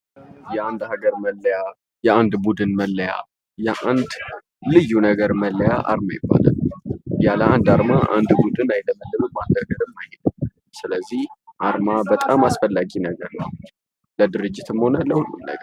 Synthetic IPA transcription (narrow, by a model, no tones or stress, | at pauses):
jɛand̪haɡəɾməlːəja | jɛand̪bud̪ɨnməlːəja̰ | jɛʔand̪ | lɨjːunəɡəɾməlːəjaʔa̰ɾmajɪbːa̰lə̰njaləand̪aɾmaʔand̪bud̪ɨnajləməlːɨnuband̪haɡəɾɨmːajhed̪ɨm | sɨləzːihʔaɾmabət̪ʼamasfəlːaɡinəɡəɾnəw | ləd̪ɨɾɨd͡ʒːɪt̪ɨmho̞nələhulːunə̰ɡəɾ